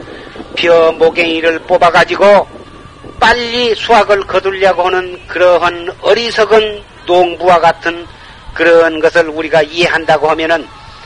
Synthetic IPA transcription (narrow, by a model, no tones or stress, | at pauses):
pʰjʌmoɡeŋiɾɯɭp͈obaɡad͡ʑiɡo | p͈aʎːisʰuaɡɯɭkʌduʎːaɡohanɯnkɯɾʌɦanʌɾisʰʌɡɯn | toŋbuwaɡatʰɯn | kɯɾʌnɡʌsʰɯɭuɾiɡaieɦandaɡohamjʌnɯn